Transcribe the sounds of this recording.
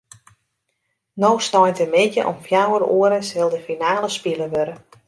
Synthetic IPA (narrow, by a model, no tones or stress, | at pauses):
nowstɔjntəmɪtjə̰ʔɔ̰mfjawəɾoəɾəsɪlˠdəfinaːləspiləʋøɾə